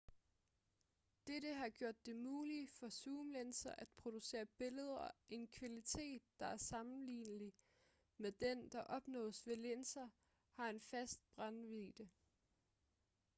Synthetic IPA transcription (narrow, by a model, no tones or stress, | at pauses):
d̥eɾəɦɑ̈ɡ̥jo̝ɐ̰d̥ːe̝muːlifɒ̽suːmlensɐʔæd̥̚pʰʁo̝d̥use̝̰ːɐb̥e̝ləð̞ˠɐʔe̝nkʰʋælit͡sʰe̝̰ːd̥̚ːɑ̈æɐsɑ̈mn̩lḭːnəli | med̥end̥ɑ̈ʔɒ̽b̥nɔ̰̽ːsʋe̝lensɐ | hɑ̈e̝nfæsd̥̚b̥ʁɑnʋiːd̥ə